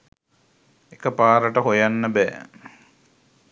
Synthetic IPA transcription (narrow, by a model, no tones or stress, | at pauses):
ekəpaːɾəʈəɦojanːəbɛː